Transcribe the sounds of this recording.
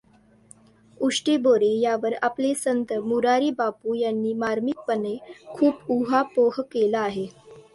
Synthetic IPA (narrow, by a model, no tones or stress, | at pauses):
uʂʈiboɾejaʋəɾaplesənt̪əmuɾaɾiːbapuːjanːiːmaɾmik̚pənekʰuːpuɦapoɦkelaːɦe